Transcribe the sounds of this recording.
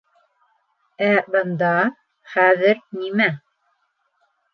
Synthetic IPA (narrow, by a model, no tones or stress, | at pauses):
æbɤ̆nd̪ɑ | χæðɘɾnimæ